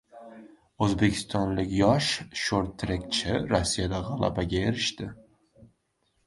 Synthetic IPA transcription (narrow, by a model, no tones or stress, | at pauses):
ɵzbe̞kʲʰɪ̥st̪ʰɒnlɪkʲjɒʃʃoɾt̪ʰːɾekt͡ʃʰɪɾosːijad̪aʁɑlˠa̰baɡʲaeɾɪʃt̪ɪ